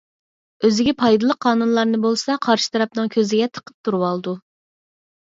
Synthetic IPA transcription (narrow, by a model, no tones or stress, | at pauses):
øzɪɡʲɛpʰɑjd̪ɨlˠəqʰːɑːnunlˠɑɾnɨbolˠsɑqʰɑɾʃɨ̥t̪ʰɑɾɑp̚nɨŋkʲʰøzɪɡʲɛt̪ʰə̥qʰə̥p̚t̪ʰuɾuwɑlˠd̪u